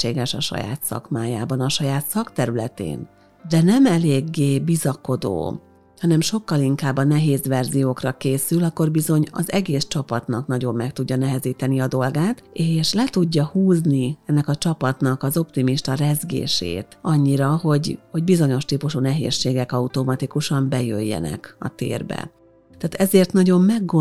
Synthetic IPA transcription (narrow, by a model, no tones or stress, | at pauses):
eːɡɛʃɒ̰ʃɒ̰ja̰ːt̪sɒ̰kmaːjaːbɒnɒʃɒjaːt̪sɒkt̪ɛɾylɛt̪ḛːn | d̪ɛnɛmɛleːɡːeːbizɒko̞d̪o̰ː | hɒnɛmʃo̞kːɒliŋkaːbːɒnɛɦeːzʋɛrzijoːkrɒkeːsylɒkːo̞rbizo̞ɲɒ̰zɛɡeːst͡ʃɒpɒt̪nɒknɒɟo̞mːɛk̚t̪uɟːɒnɛɦɛziːt̪ɛniɒd̪o̞lɡaːt̪eːʃlɛt̪uɟːɒhuːzniɛnːɛkɒt͡ʃɒpɒt̪nɒkɒzo̞pt̪imiʃt̪ɒrɛzɡḛːʃḛːt̪ɒɲːiɾɒɦo̞ɟho̞ɟbizo̞ɲo̞ʃt̪iːpuʃunɛɦḛːʃːeːɡɛkɒut̪o̞mɒt̪ikuʃɒmbɛjø̰jːɛ̰nɛ̰kɒ̰t̪ḛːrbɛ̰ | t̪ɛːt̪ɛzeːrt̪nɒɟo̞mːɛɡːo